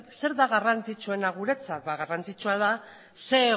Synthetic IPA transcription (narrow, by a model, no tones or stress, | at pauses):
se̞ɾðaɣarant͡sit͡sue̞naɣuɾe̞t͡sat̪baɣ̞arant͡sit͡ʃuað̞a | se̞